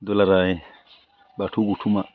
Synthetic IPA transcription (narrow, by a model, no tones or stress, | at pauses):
dɔlaɾajɛ | batʰuɡutʰuma